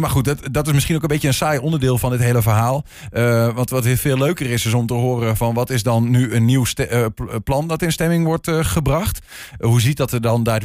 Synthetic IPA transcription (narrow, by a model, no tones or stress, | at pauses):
maxut̚tdɔtɪs̬mɪsχinowkənbejəənsajɔndəɹdɪːlˠfɔndɪtɦejləvərɦaːlˠ | əʋɑntʋɔtʋɪfeːlːøɥkərɪsɪs̬ɔmtəɦoːɾəfɔnʋɔtɪsdɔnːyənːiwstplɑndɔtɪnstɛmɪŋʋɔɹtχəbrɑχt | ɦuzit̚dɔtədɔnda